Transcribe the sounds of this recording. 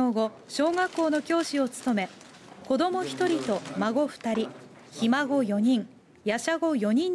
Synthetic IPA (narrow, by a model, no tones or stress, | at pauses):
oːɡo | ɕo̞ːŋakːo̞ːno̞kʲo̞ːɕio̞t͡sɨ̥t̪o̞me̞ | ko̞d̪o̞mo̞çi̥t̪o̞ɾʲit̪o̞maɡo̞ɸɯ̟̥t̪aɾʲi | çimaɡo̞jo̞ɲ̟ĩŋ | jaɕaɡo̞jo̞ɲ̟ĩn